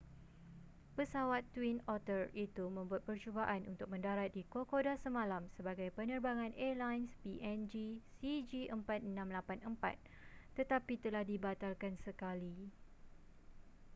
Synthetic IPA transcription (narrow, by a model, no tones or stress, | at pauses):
pəsawat̪ːwinɔt̪ərit̪umə̃mbuat̪̚pərt͡ʃubaʔanʔunt̪ʊk̚mə̃ndaɾat̪̚dikokodasəmãlamsəbaɡajpənə̃rbaŋãnʔɛlajnspiʔɛnd͡ʒisid͡ʒiʔəmpat̪̚ənãmlapanəmpa̰t̪̚ː | ət̪apit̪əlahdibat̪alkansəkali